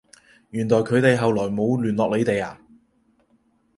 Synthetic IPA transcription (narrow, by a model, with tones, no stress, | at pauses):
jyː˨˩nlɔː˨˩jkʰɵ˨˧ɥt̪e˨jɦɐ˨wlɔː˨˩jmo˨˧wlyː˨˩nlɔː˨k̚le˨˧jt̪e˨jaː˨